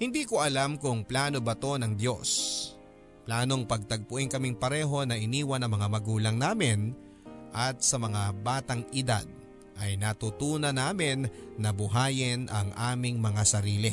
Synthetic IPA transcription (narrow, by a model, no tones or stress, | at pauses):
hɪnd̪iːkoʔɐlamkʊŋplaːno̞bɐt̪o̞nɐŋd̪jo̞s | plaːno̞ŋpɐɡ̚t̪ɐɡ̚pʊʔɪŋkɐmɪŋpɐɾɛːɦo̞nɐʔɪniːwɐnɐŋmɐŋamɐɡuːlɐŋnaːmɪn | ʔɐt̪̚sɐmɐŋabaːt̪ɐŋɪd̪a̰d̪̚ | ʔɐjnɐt̪ut̪uːnɐnaːmɪnːɐbʊɦaːjɪnʔɐŋʔaːmɪŋmɐŋasɐɾiːlɪ